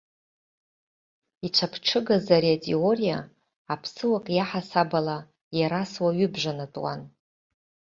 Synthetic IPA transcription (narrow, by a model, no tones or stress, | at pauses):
it͡ʃʷʰapʰʈ͡ʂʰɨɡazaɾiatʼeorijaː | pʰsɨwakʼjaħasabala | jaɾaswaɥʏbʒʷanatʼwa̰n